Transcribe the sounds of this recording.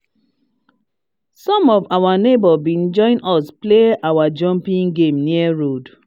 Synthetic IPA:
sɔ̃mɔvawanebɔbĩnd͡ʒɔ̃ɪ̃nɔspleawad͡ʒɔ̃mpĩŋɡẽmniaɹod

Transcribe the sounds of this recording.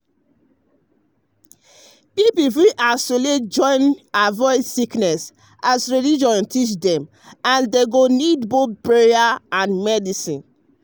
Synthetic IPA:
pipufɹiʔasoled͡ʒɔ̃ɪ̃navɔɪdsiknɛs | asɹilid͡ʒɔ̃ntʰit͡ʃdɛ̃m | ãndeɡonidboθpɹeaãnmɛdisĩn

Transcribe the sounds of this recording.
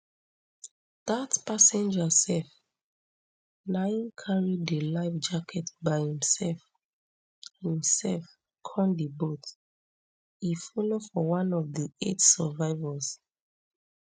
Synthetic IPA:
ð̥atpasɛ̃nd͡ʒəsɛf | naɪ̃nkʰaɹidəlaɪfd͡ʒakʰɛtbaɪhĩmsɛlf | hĩmsɛlf | kʰɔ̃ndibot | ifɔlofɔwãnɔvðietsəvaɪvəs

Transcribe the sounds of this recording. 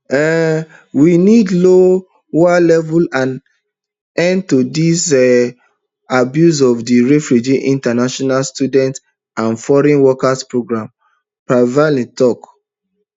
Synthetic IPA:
ɛ | winidlo | walɛvulãn | ɛ̃ntudis | abjus̬ɔfdiɹefɹud͡ʒiʔĩntanaʃɔnalstjudɛ̃nt | ãnfɔɹɛ̃nwɔkaspɹoɡɹãm | pɹavalĩntɔk

